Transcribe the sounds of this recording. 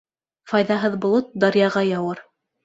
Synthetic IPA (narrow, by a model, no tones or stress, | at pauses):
fɑjðɑɦɤðbŏlˠot̪̚d̪ɑɾjɑʁɑjɑwɤɾ